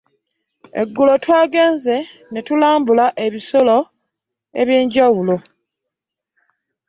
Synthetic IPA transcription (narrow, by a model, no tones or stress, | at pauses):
e̞̰ɡːulo̞twaːɡe̞ːnze̞netulaːmbulaʔe̞βisolo̞ | e̞̰βjiːɲɟawulo̞